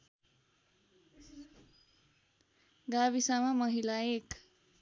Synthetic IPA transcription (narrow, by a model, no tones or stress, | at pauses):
ɡaβisamamʌɦilaek